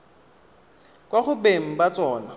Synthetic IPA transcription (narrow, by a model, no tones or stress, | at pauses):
kʼwaχʊbeŋ̩bat͡sʼɔːna